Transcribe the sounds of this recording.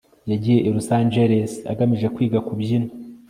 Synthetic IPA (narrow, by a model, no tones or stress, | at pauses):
jaɟije̞ʔiɾusaːnd͡ʒeɾesa̰ɡamiʒe̞kwiːɡakubjino